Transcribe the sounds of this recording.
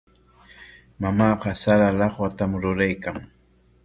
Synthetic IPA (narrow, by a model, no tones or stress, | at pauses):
mamɑːɢɑsaɾalɑχwat̪amɾʊɾajkaŋ